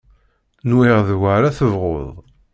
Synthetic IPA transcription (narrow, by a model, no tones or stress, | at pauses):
nwɪʁðwaɾaθəvʁo̰ðˤ